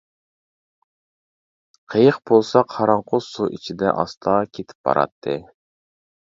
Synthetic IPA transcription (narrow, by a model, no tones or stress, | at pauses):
qʰəjəqbolˠsɑqhɑɾɑɴqʰʊsuʔit͡ʃʰid̪ɛ̰ʔɑ̰st̪ʰɑkʲʰet̪ʰɪ̥p̚bɑ̰ɾɑ̰t̪ʰːɨ